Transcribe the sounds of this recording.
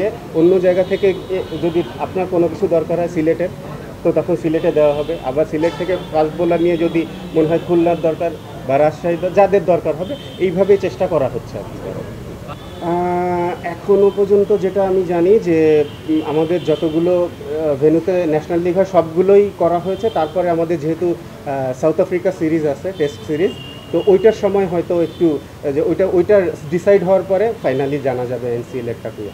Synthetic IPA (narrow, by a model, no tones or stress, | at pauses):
e | onːod͡ʑaeɡat̪ʰeked͡ʑod̪iapnaɾkonokit͡ɕʰud̪ɔɾkaɾɦɔesileʈeɾ | t̪ot̪ɔkʰonsileʈed̪eoaɦɔbeʔa̰baɾsileʈ̚t̪ʰekekasbolaɾnijed͡ʑod̪i | moneɦɔekʰulnaɾd̪ɔɾkaɾ | baɾaʃʃaid̪ɔd͡ʑad̪eɾd̪ɔɾkaɾɦɔbe | ejbʱabet͡ɕeʃʈakɔɾaɦotːɕʰḛɔ̰pit̪a̰ɾ̰ | ɛkʰonopɔɾd͡ʑont̪od͡ʑeʈaamid͡ʑanid͡ʑe | amad̪eɾd͡ʑɔt̪oɡulo | bʱenut̪enɛʃonalːiɡʱɔeʃɔbɡulojkɔɾaɦojet͡ɕʰet̪aɾpɔɾeamad̪eɾd͡ʑeɦet̪u | sawt̪ʰafɾikasiɾizat͡ɕʰeʈesʈsiɾiz | t̪oʔojʈaɾʃɔmɔeɦɔet̪oek̚ʈu | eojʈaojʈaɖisajɖɦɔoaɾpɔɾefajnalid͡ʑanad͡ʑabeensielek̚ʈakuja̰